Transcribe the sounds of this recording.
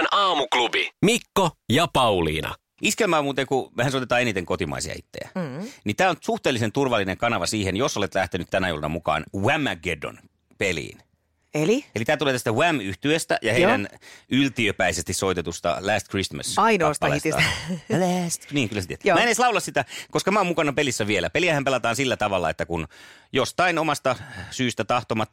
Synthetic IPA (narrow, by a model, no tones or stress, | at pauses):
nɑːmuklubimikːojɑpɑulḭːnɑ̰ | ʔiskelmæːmuːt̪eŋkumehænsoit̪et̪ɑːenit̪eŋkot̪imɑ̰isḭɑ̰it̪ːḛæ̰nit̪æːonsuht̪eːlːˑisent̪urʋɑlːineŋkɑnɑʋɑsiːhenjosolet̪læht̪enyt̪t̪ænæjṵlnɑ̰mukɑ̰ːnwæmːæɡedo̰n | pelḭːn | elielit̪æːt̪uleːt̪æst̪æwæmyht̪yest̪æ̰jɑheidænylt̪iøpæisest̪issoit̪et̪ust̪ɑ̰læːst̪krismæ̰sɑinoːst̪ɑlḛst̪iɑ̰læst̪niːŋkylːæset̪iet̪ːmæeneislɑulɑssit̪ækoskɑmæomukɑnɑpelisːæʋielæpeliæhæmpelɑt̪ɑːnsilːæt̪ɑʋɑlːɑ̰et̪ːækun | jost̪ɑinomɑst̪ɑsyːst̪æt̪ɑht̪omɑt̪